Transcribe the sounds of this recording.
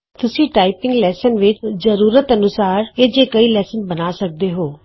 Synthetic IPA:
t̪ʊsĩːʈaːipɪ̃ŋɡlɛːsənʋɪt͡ʃzəɾuːɾət̪ənʊsaːɾeːd͡ʒeːkəiːlɛːsənbənaːsək̚d̪eːɦoː

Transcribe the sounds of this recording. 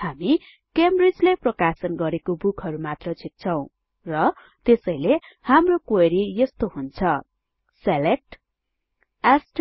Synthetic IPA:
hami | kemrid͡zleprʌkasʌnɡʌɾekobukʰʌɾumat̪rʌt͡sʰit̪̚t͡sʰʌw̃ | rʌ | t̪esʌjle | hamrokweɾijʌst̪oɦunt͡sʰʌ | selek̚ʈ | asʈ

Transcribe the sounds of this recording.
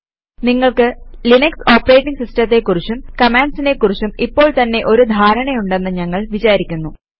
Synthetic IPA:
niŋːɐɭkɨlinɐkso̞ːpːɐreːʈːiŋsistɐt̪̬ːe̞kːurit͡ɕːumkɐmaːnɖsine̞kːurit͡ɕːumipːo̞ːɭt̪ɐnːe̞ʔo̞ɾud̪ʱaːɾɐɳɐjuɳɖe̞nːɨɲɐŋːɐɭʋit͡ɕaːɾikʲːunːu

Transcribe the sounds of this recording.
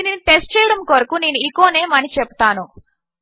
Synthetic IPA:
nenuʈesʈ̚t͡ʃɛːjɐɽɐmkoɾɐkuneːnuikoːne̞ːmɐnit͡ʃɛput̪aːnu

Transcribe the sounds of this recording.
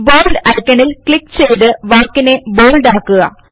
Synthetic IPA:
boːɖɐjkʲːɐɳilkɭikːt͡ɕejðɨʋɐrkːineboːlɖaːkːuɣɐ̰

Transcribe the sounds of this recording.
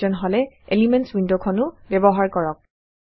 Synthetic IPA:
ɔnɦɔlɛelimɛnswindokʰɔnʊbɛbɔɦaɹkɔɹɔk̚

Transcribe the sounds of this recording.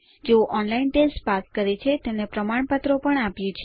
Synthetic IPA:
d͡ʒeũʔɔnlainʈespaskəɾet͡ʃʰet̪emnepɾəmaɳ̃pat̪ɾopəɳapjũt͡ʃʰ

